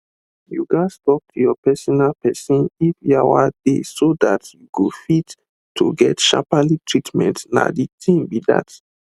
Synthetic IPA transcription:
juɡastɔk̚tʰujɔpɛsɔnalpɛsɔ̃nifjawa̰d̥esodatjuɡofit | tʰːuɡɛtʃa̰palitʰɹitmɛ̰̃ntna̰ditʰĩmbida̰t

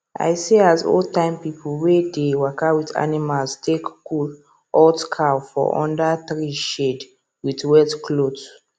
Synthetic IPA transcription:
a̰ɪseazo̰tãɪ̃mpip̩ʰwedewakawita̰nimalstʰekkul | ɔtkʰawfɔ̰ʔɔ̰̃ndaθɹiʃed | witwɛtkʰlod

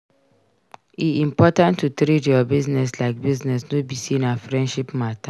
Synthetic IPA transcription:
iĩmpɔtãntːutɾitjɔbiznɛs̬laɪk̚biznɛsnobisĩnafɾɛ̃nʃipmatʰa

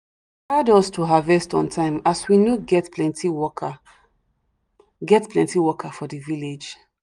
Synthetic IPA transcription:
adɔstʰuɦavɛstɔ̃ntʰãɪ̃maswinoɡɛtplɛ̃ntiwɔ | ɡɛtplɛ̃ntiwɔkʰafɔdiviled͡ʒ

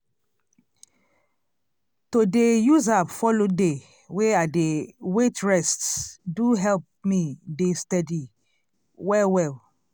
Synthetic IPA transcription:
todejuzabfɔlode | weadewetɹɛstsduɦɛlp̚midestɛdi | wɛwɛl

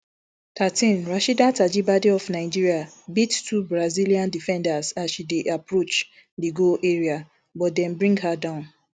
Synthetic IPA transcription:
tʰatĩnɹaʃidatad͡ʒibadiɔfnaɪd͡ʒiɹia | bittːubɹaziliãndifɛ̃ndasasʃideʔapɹot͡ʃ | diɡoʔeɹia | bɔt̚dɛ̃nbɹĩŋɡɦadãʊ̃n

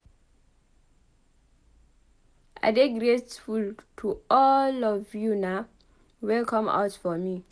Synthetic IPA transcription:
ʔa̰deɡɹetfultʰuɔlɔvjuna | wɛlkʰɔ̃ma̰ʊtfɔmi

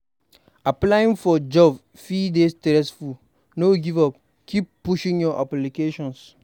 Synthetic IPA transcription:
aplaĩnfɔd͡ʒɔb | fidestɛɾɛsfu | noɡivɔp | kʰip̚pːuʃĩŋjɔʔaplikeʃɔ̃ns

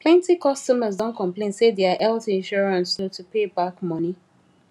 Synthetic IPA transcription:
pʰlɛ̃ntikɔstɔməzdɔ̃nkʰɔ̃mplẽnsedeaʔɛltɪ̃nʃɔɹãnsotupebakmɔ̃ni

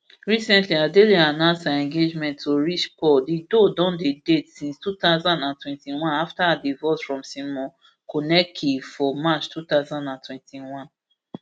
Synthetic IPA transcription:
ɹisɛ̃ntliadelianãʊ̃nsaɛ̃ŋɡed͡ʒmɛ̃ntːoɹit͡ʃpɔdidodɔ̃ndedetsĩnstut̪aʊzãndãntwɛ̃ntiwãnaftaadivɔsfɹɔ̃msĩmɔ̃ | kʰonɛkʰifɔmat͡ʃtʰut̪aʊzãndãntwɛ̃ntʰiwãn

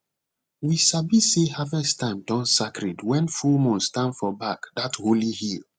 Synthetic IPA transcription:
wiʃabisehavɛstãɪ̃mdɔ̃nsakʰɹɛdwɛ̃nfumɔ̃nstãnfɔbakdatholihil

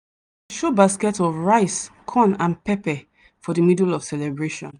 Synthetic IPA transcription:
ʃobaskɛtɔvɹaɪskʰɔ̃nãnpɛpɛ | fɔdəmidlɔv̥sɛlɛbɹeʃɔ̰̃n

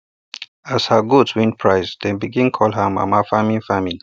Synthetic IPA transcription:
ashaɡudswĩnpʰɹaɪsd̥ɛ̃nbiɡĩnkʰɔlɦəma̰mafamĩnfamil

